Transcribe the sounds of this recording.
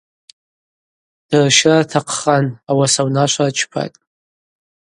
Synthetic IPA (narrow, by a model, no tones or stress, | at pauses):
d̥rʃratʰaqʰχanawasawnaʃʷart͡ʃʰpʰa̰tʼ